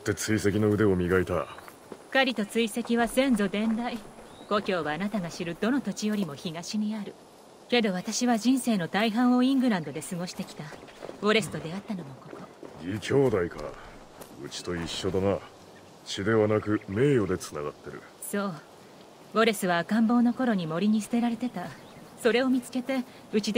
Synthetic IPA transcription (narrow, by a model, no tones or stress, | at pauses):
ot̪ːe̞t͡sɨise̞kʲino̞ɯ̟d̪e̞omʲiɡait̪ḁ | kaɾʲit̪o̞t͡sɨise̞kʲiβasẽ̞nzo̞d̪ẽ̞nd̪ai | ɡ̥o̞kʲo̞ːβaːnat̪aɡaɕiɾɯ̟d̪o̞no̞t̪o̞t͡ɕijo̞ɾʲimo̞çiɡaɕiɲ̟iaɾɯ̟ | ke̞d̪o̞β̞at̪aɕiβaʑĩɰ̃se̞ːnot̪aiɦãɰ̃o̞ĩŋɡɯ̟ɾãnd̪o̞d̪e̞sɨɡo̞ɕi̥t̪e̞kʲi̥t̪aɡo̞ɾe̞sɨ̥t̪o̞d̪e̞at̪ːano̞mo̞ko̞t̪oɡʲikʲʰo̞ːd̪aika̰ | ɯ̟̰t͡ɕi̥t̪o̞iɕːo̞d̪ana | ɕid̪e̞βanakɯ̟me̞ːjo̞d̪e̞t͡sɨnaɡat̪ːe̞ɾɯ̟̰ | so̞ː | ɡo̞ɾe̞sɨβaːkãmbo̞ːno̞ko̞ɾo̞ɲ̟imo̞ɾʲiɲ̟isɨ̥t̪e̞ɾaɾe̞t̪e̞t̪a | so̞ɾe̞o̞mʲit͡sɨ̥ke̞t̪e̞ | ɯ̟t͡ɕid̪